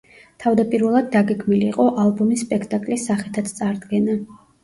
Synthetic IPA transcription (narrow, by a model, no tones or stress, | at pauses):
t̪ʰavd̪apʼiɾvɛlˠad̪̚ːaɡɛɡmiliːqʼɔʔalˠbɔmisːpʼɛkʰt̪ʼakʼlisaχɛt̪ʰat̪st̪sʼaɾd̪ɡɛna